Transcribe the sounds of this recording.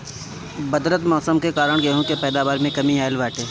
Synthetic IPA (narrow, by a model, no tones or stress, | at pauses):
bɐd̪ɾət̪mɔːsəmkekaːɾəɽ̃ɡɐɦõkepɛːd̪aːbaːɾmẽkɐmiaːɪlʋɛːʈʰeː